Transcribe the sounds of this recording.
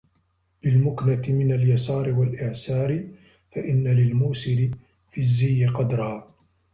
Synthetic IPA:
lɪlmʊknat̪ɪmɪnaljasɑːɾɪwalʔɪʕsɑːɾɪ | faʔɪnːalɪlmuːsɪɾɪ | fizːijːɪqɑd̪ɾˤɑhaː

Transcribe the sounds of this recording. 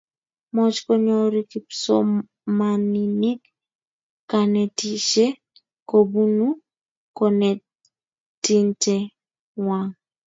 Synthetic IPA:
mɔt͡ʃkɔɲɔɾikipsɔ̰ | maninɪkː | anɛtiʃe | kobunu | kɔnɛ | tinte | waŋ

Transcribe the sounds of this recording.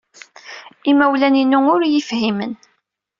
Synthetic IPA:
imæwlæninːuʊɾjəfhimə̰n

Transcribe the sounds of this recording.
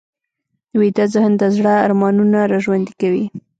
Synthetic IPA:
wit̪azahənt̪azɽaːɾmɑnunaɾɑʒwand̪ikawi

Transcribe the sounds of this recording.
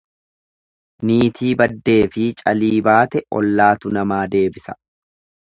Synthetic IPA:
niːt̪ʰiːbɐd̪ːe̞ːfɪt͡ʃʼɐ̰liːbaːt̪ɛʔɔ̰lːaːt̪ʊnɐmaːd̪e̞ːbɪsɐ̥

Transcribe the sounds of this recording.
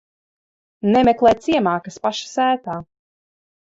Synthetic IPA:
nɛmɛklˠɛjt̪siɛmaːkɐspaʃḁsæːt̪aː

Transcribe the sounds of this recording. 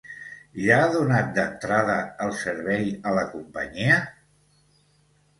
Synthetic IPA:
ʒaːðunat̪̚d̪ənt̪ɾaðəəlˠsəɾβɛjələkumpə̰ɲiə

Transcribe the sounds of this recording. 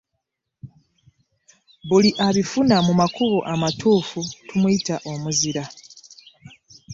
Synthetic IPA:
βuliʔaβifunamumakuβoʔamatʰuːfutʰumuitaʔo̞muziɾa

